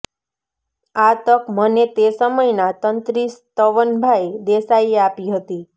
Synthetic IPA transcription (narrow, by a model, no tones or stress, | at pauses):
at̪əkmənet̪esəməjnat̪ənt̪ɾist̪əʋənbʱaed̪esaiapiɦət̪i